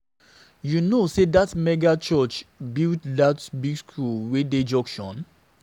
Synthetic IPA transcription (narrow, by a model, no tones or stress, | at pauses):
junosedatmɛɡat͡ʃɔt͡ʃbiltdatbiɡskʰulweded͡ʒɔ̃ŋkʃɔ̃n